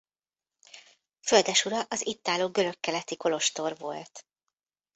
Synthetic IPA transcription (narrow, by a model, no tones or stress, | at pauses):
føld̪ɛʃuɾɒʔɒzit̪ːaːloːɡø̞ɾø̞kːɛlɛt̪iko̞lo̞ʃt̪o̞rvo̞̰lt̪